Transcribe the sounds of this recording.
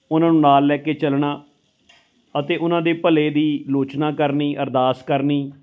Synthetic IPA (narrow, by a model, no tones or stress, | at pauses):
ʊnãːnũːnaːlːɛːkeːt͡ʃəlɳaː | ət̪eːʔʊnãːd̪eːpəleːd̪iːloːt͡ʃnãːkəɾniːʔəɾd̪aːskəɾniː